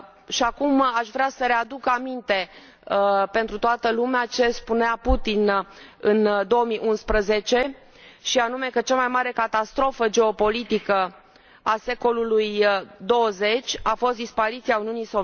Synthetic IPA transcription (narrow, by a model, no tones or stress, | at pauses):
ʃiakumaʃvɾeasəɾe̞ad̪ukamint̪e̞ | pe̞nt̪ɾut̪oat̪əlumeat͡ʃe̞spuneaput̪inɨnd̪o̞əmiʔunspɾəze̞t͡ʃe̞ | ʃianume̞kət͡ʃamajmaɾe̞kat̪ast̪ɾo̞fəd͡ʒe̞o̞po̞lit̪ikə | ase̞ko̞lulujd̪o̞əze̞t͡ʃʲafost̪d̪ispaɾit̪siauniunijso